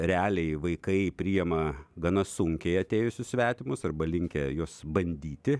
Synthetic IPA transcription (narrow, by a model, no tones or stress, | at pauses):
ɾʲɛɑːlʲɛɪʋɐɪkɐɪpʲɾʲɪjɛmɐɡɐnɐsʊŋʲkʲɛɪɐt̪ʲeːjʊsʲʊssʲʋʲæːt̪ʲɪmʊsɐrbɐlʲɪŋʲkʲɛjoːsbɐnʲd̪ʲiːt̪ʲɪ